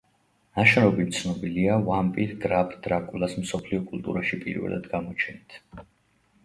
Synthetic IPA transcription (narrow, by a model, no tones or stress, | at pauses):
naʃɛɾɔbimt̪sʰnɔbiliavampʼit̪ɡɾapʰd̪̥ɾakʼulˠasmsɔpʰliɔkʼulˠt̪ʼṵɾaʃipʼḭɾvɛ̰lˠa̰d̪ɡamɔt͡ʃʰɛnit̪ʰ